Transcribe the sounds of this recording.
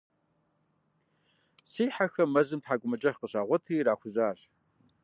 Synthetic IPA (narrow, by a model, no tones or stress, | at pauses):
siːħaxɐmɐzɨmtħaːɡʷʼʊmɐd͡ʒʼɐχqəɕaːʁʷɔtʰɨːraːxʷʊzaːɕ